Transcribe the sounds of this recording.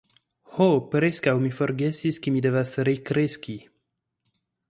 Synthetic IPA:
hopɾeskawmifoɾɡesiskimid̪evasɾekɾeski

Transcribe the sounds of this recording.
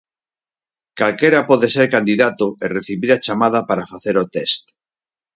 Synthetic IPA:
kalkeɾapɔðeseɾkand̪iðat̪oereθiβiɾat͡ʃamað̞apaɾafaθeɾot̪est̪

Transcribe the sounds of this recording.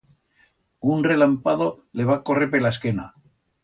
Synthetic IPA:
unre̞lampaðo̞ | le̞β̞ako̞reɾpelaeskena

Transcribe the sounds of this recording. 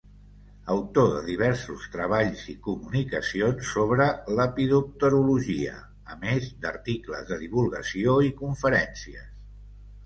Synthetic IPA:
əwt̪oðə̰ðiβɛɾsust̪ɾəβ̞aʎzikumunikəsionsːoβɾələpiðup̚t̪əɾuluʒiə̰ | əmezd̪əɾt̪iklə̰zðəðiβ̞ulˠɣəsioikuɱfəɾɛnsiə̰s

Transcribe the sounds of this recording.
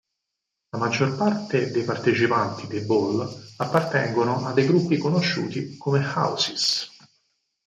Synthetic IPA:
lamad͡ʒːorpart̪ed̪ejpart̪et͡ʃipant̪id̪ebolapːart̪ɛŋɡonoʔad̪ːejɡɾupːikonoʃːṵːt̪ikomexa̰wsis

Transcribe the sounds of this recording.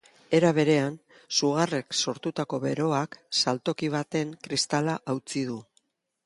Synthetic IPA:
e̞ɾaβ̞e̞ɾe̞an | suɣ̞are̞kso̞ɾt̪ut̪ako̞βe̞ɾo̞aksalt̪o̞kiβ̞at̪e̞ŋkɾist̪alaʔawt͡siðu

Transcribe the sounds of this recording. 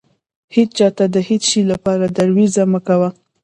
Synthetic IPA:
hedt͡ʃɑt̪ad̪əhid̪ʃilapɑɾad̪aɾwizaməkawa

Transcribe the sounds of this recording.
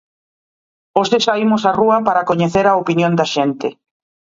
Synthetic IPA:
osesaimʊsaruɐpaɾɐkoɲeθeɾaopinjõnd̪ɐʃent̪e

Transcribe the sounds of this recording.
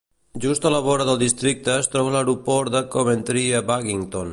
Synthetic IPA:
ʒust̪ələβɔɾəðəlˠd̪ist̪ɾik̚t̪əːst̪ɾɔβ̞ələwɾupɔɾd̪əkoβənt̪ɾiəbakiŋt̪on

